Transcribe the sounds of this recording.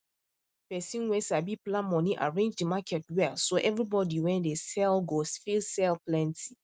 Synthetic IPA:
pɛsĩnwɛsabiplãnmɔ̃niʔa̰ɹẽnd͡ʒdimakʰɛtwɛlsoʔɛvɹibɔdiwɛ̃ndesɛlɡosfilsɛlplɛ̃ntʰi

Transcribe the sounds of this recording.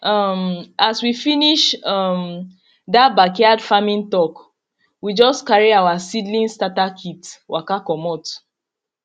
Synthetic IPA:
ʔɔmaswifiniʃɔm | dat̚bakɛadfamĩntɔk | wid͡ʒɔskaɹiawasidlĩnstatakʰitwʔakakɔmɔt

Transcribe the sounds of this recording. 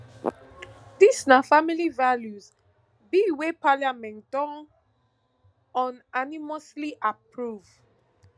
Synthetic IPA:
disnafamilivaljuz | biwepaljamɛ̃ntd̥ɔ̃n | ɔ̃nanimɔsliʔapʰɹuv

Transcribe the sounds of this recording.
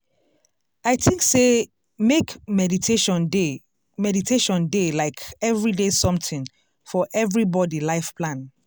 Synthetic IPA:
aɪtʰɪ̃ŋkse | mekmɛditʰeʃɔ̃ne | mɛditʰeʃɔ̃ndelaɪkɛvɹidesɔ̃mtʰĩŋ | fɔʔɛvɹibɔdilaɪfpʰlãn

